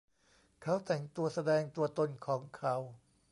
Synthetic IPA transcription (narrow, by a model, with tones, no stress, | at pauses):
kʰa˦˥wt̪ɛ˨˩ŋt̪u˧ɐsa˧dɛː˧ŋt̪u˧ɐt̪o˧nkʰɔː˩˦ŋkʰa˦˥w